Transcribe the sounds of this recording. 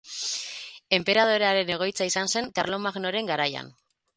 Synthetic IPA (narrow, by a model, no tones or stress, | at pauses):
e̞mpe̞ɾað̞o̞ɾeaɾe̞ne̞ɣ̞o̞jt͡saisanse̞ŋkaɾlo̞maɣno̞ɾe̞ŋɡaɾaja̰n